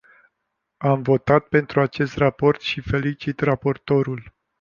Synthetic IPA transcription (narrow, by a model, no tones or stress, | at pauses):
amvo̞t̪at̪̚pe̞nt̪ɾuat͡ʃe̞st̪rapo̞rt̪ʃife̞lit͡ʃit̪rapo̞rt̪o̞ɾul